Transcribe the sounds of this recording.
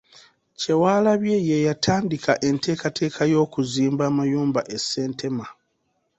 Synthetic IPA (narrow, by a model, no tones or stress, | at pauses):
ce̞waːlaβjejejatʰaːndikʰaʔe̞nte̞ːkatʰe̞ːkʰajo̞ːkuziːmbaːmajuːmbaʔese̞ːntʰe̞ma